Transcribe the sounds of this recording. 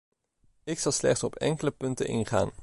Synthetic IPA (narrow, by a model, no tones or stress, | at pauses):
ɪksɑlˠslɛχtsɔpʰɛ̰ŋkələpɵntə̰nɪ̰nχa̰ːn